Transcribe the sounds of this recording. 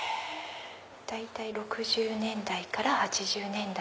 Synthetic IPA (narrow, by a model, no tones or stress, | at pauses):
d̪̥ait̪aiɾo̞kɯ̟ʑɨːnẽ̞nd̪aikaɾahat͡ɕiʑɨːnẽ̞nd̪a